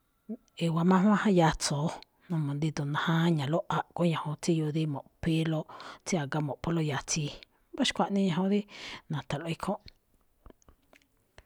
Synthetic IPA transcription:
e˨wa˧mã˦ɦã˦hã˦ja˧t͡soː˨˦ | nõ˧mõ˨nd̪i˧d̪o˨nã˧hã˦ɲã˨lo˦ʔa˨ʔko˦ɲã˨hõ˧t͡si˦ju˧d̪i˦mõ˨ʔpe˦lo˦t͡si˦a˨ɡa˧mõ˨ʔpo˧lo˧ja˧t͡si˧ | ba˦ʃkʷa˧ʔnĩ˦ɲã˧˨õ˧d̪i˦nã˨t̪a˨lʔe˧˦kʰõ˦ʔ

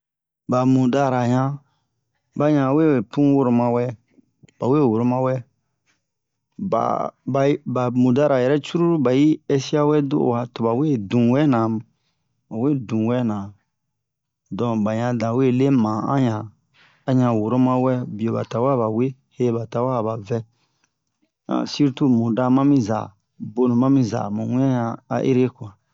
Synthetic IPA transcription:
ba˨mũ˨da˦ɾa˨ɲã˦ | ba˨ɲã˨we˦˨we˨pũ˦wo˦ɾo˧mã˧˨wɛ˦ | b̥a˨we˦˨wo˨ɾo˦mã˦wɛ˦ | ba̰˨ba˨˦ba˨mũ˨da˦ɾa˨jɛ˨ɾɛ˦t͡ʃu˦ɾu˦ɾu˦ba˨ji˦ɛ˧si˦a˦wɛ˦do̰˦˨wa˨tɔ˨ba˨we˦˨dũ˨wɛ˦nã˨ | ma˨we˦˨dũ˨wɛ˦nã˨ | dɔ̃˨ba˨ɲã˨dã˨we˦˨le˦mã˨ã̰˦jã˨ | a˨ɲã˧˨wo˨ɾo˦mã˦wɛ˦bi˨o˨ba̰˨ta˨wa˦˨ba˨we˦ | he˦ba˨ta˨wa˦˨ba˨vɛ˦ | ã̰˨si˦ɾtu˦mũ˨da˦mã˦mĩ˦za̰˨ | bo˦nũ˨mã˦mĩ˦za̰˨mũ˨wĩ˦ã˦jã˨a̰˨ʔḛ˦ɾe˦ku˨ã˨

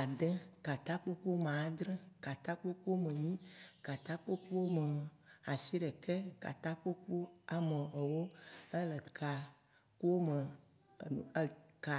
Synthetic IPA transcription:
a˨d̪ɛ˦ka˨t̪a˦k͡po˦k͡pu˦o˦m˨ã˨˦d̪ɾɛ̃˦ka˨t̪a˦k͡po˦k͡pu˦o˦mẽ˨ɲĩ˦ka˨t̪a˦k͡po˦k͡pu˦wo˦me˨a˨si˦ɖɛ˨kɛ˦ka̰˨t̪a˦k͡po˦k͡po˦a˨mẽ˨ɔ˨wo˦ɛ˦lɛ˨kʰa˨ | ku˦wo˦me˨˦˨ | ka˨

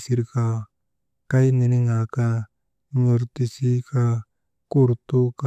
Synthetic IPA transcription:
si˧ɾka˧ | ka˦jne˨ni˦ŋa˨ka˧ | ɲo˨ɾt̪i˧si˦ka˧ | kuɾt̪u˦ka

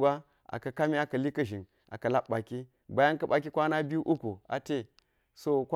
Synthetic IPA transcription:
ba˦ | a̰˨kɐ˨ka˦mi˦a˦kɐ˨li˦kɐ˦ʒi˨n | ʔa̰˨kɐ˨la˦ɓba˨ki˦ | ba˨ja˦nkɐ˦ba˨ki˦kʷa˦na˦bi˦ʔu˦ku˨a̰˨te˦ | so˦k

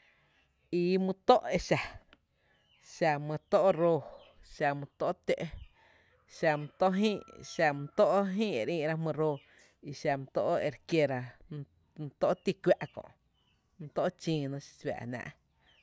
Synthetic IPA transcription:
i˧mɨ̃˧t̪o˦ʔe˧ʃa˨ | ʃa˧mɨ̃˧t̪o˦ʔɾoː˧ | ʃa˧mũ˧t̪o˦ʔt̪e˦ʔ | ʃa˧mũ˧t̪o˦ʔɦĩː˦ʃa˧mũ˧t̪o˦ʔɦĩː˦e˨ɾĩː˧ʔɾa˦˧ɦmɨ̃˧ɾoː˧ | i˧ʃa˧mũ˧t̪o˦ʔe˧ɾkje˧ɾa˧ | m˧t̪o˦ʔt̪i˧kʷwʲa˦ʔkõ̰˧˨ʔ | mɨ̃˧t̪o˦ʔt͡ʃĩː˧nõ˧ʃi̥˧t͡sbʲa̰ː˨nã̰ː˧ʔ

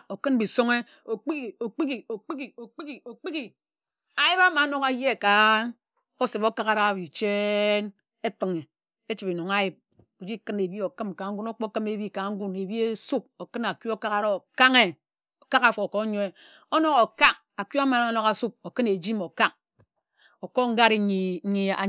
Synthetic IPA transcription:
o˨kɨ˦nbi˨so˦ŋe˦ | o˨k͡pi˦ki˨o˨k͡pi˦ki˨o˨k͡pi˦ki˨o˨k͡pi˦ki˨o˨k͡pi˦ki˨ | a˨ji˦ba˦ma˨˦no˨ka˦je˦˨ka˨ | o˦se˨bo˦ka˦ka˨ɾa˦˨bi˨t͡ʃe˦n | e˦tɨ˨ŋe˨ | e˦t͡ʃi˨pi˨no˨ŋa˦ji˨p̚ | o˨d͡ʒi˦kɨ˦ne˨bi˦o˨kɨ˦mka˨˦ŋ̩˦ɡu˦no˦k͡po˦kme˨˦bi˦ka˨˦ŋ̩˦ɡu˦ne˨bi˦e˦su˦p̚o˨kɨ˦na˨kju˦o˦ka˦ka˦ɾo˦o˨ka˦ŋe˦ | o˨ka˦ka˨fo˨ko˦ɲo˦e˨ | o˦no˦ɣo˨ka˦k̚ | a˨kju˦a˦ma˨n˦˨˦no˨ka˨su˦b̚o˨kɨ˦ne˨d͡ʒi˦mo˨ka˦k̚ | o˨ko˦ŋ̩˦ɡa˦ɾi˦i˨˦ɲi˨a̰˨

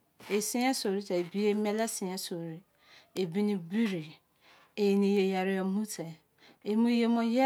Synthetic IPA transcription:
e˨sɪ̃˦a˦so˨ɾi˦tʰa˨e˨bi˦e˦mɛ̃˦la˦sɪ̃˨a˨so˨ɾi˨ | e˨bi˦nĩ˦bi˦ɾi˨ | e˨nĩ˨je˨ja˨ɾɪ˦ɔ˨m̩˦mũ˦tʰɛ˨ | e˨mũ˦je˦mɔ̃˦ja˦

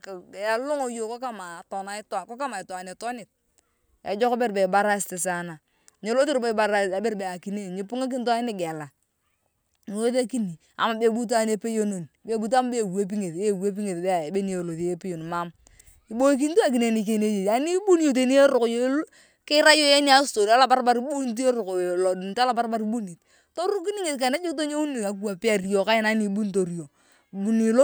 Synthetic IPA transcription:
ka˨lʊ˦ŋo˨˦jo˨ko˦ka˦ma˨to˨na˨ɪ˦ta˨ko˦ka˦ma˨ɪ˨ta˨ne˨tɔ˦nɪ˨t̚ | ḛ˨d͡ʒɔ˦ka˦be˦ɾbe˨ba˦ɾa˦stɪ˨s̬a˨na˨ | ɲe˨˦lo˦ti˦ɾbe˨ba˨a˨a˨be˦ɾbe˨a˨ki˨ne˦˨ɲi˨pu˦ŋa˦k̬i˦n˦ta˦nɪ˦ɡɛ˨la˨ | n˨o˦ðe˦ki˦ni˨ | a̰˨ma˨be˨bu˦t̬a˦ne˦pe˦jo˦no˨n˨be˨bu˦t̬a˦m˦be˦˨we˦p̬i˦ŋe˨te˦˨we˦p̬i˦ŋe˨tbe˦˨be˦ni˦e˨lo˨ðe˦pe˦jo˨n˨ma˦m | i˨bo˦k̬i˦n˦tu˦a˦˨k̬i˨ne˨ni˨k̬e˦˨ne˦je˨a˨˦ni˦bu˦n˦jo˨t̬e˨ni˦e˦ɾʊ˨kjo˦l | kɪ˦ɾa˦jo˦je˦ni˦a˦sto˨ɾi˨˦a˦la˨ba˦ɾba˦ɾi˦bu˦n˦t̬u˦e˦ɾʊ˨klo˨di˨n˨ta˦la˦pa˦ɾba˦ɾi˦bu˦ni˨t | to˦ɾu˦k̬i˦ni˦ŋe˨ka˨ne˦d͡ʒo˦kt̬o˦ɲe˦u˦ni˨a˨ku˦a˨pɪ˦a˨ri˦jo˨ka˦jɪ˦na˨˦ni˨˦bu˦n˦to˨ɾi˨jo˨ | bu˨ni˨˦

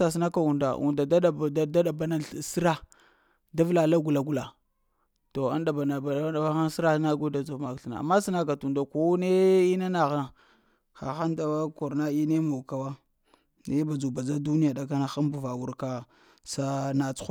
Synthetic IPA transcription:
sa˨s̬i˦na˦ka˨u˨nda̰˨ʔṵ˨nda˨da˦˨˦da˦ɗa˨ba˨˦na˦˨si˦ɾa˦ | da˦vla˨la˦ɡu˨la˨ɡu˨la˨ | to˨a̰˦nda˨ba˨na˨ba˨˦a˨˦wa˦xa˦n˦si˦ɾa˦na˦ɡo˦da˨d͡zo˨ma˨kɬna̰˨a̰˨mːa˦si˦na˦k̬a˨tu˨nda˨ko˦ne˦i˦na˦na˨ɣa˨ | xa̰˨xa˦nda˦a˦ko˨ɾna˦i˦ne˦mo˨ka˨wa˦ | ne˦ba˨d͡ʒu˨ba˨d͡za˦du˦ni˦ja˨da˨ka˦na˨xa˦mbu˨va˨wu˨ɾka˦ | sa˦na˨t͡su̥˦

